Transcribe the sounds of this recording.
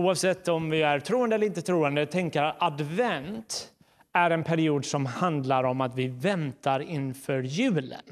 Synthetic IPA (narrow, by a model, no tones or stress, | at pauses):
uːɑvsɛt̪ːɔmvɪæɾʈʰɾuːənd̪əɛləɾɪnt̪ət̪ʰɾuːənd̪ət̪ʰɛŋkəɾat̪ad̪vɛnt̪ | æɾɛnpʰæɾɪuːd̪sɔmhand̪laɾɔmat̪vɪvɛnt̪aɾɪnfœɾjʉ̟ːlə̰n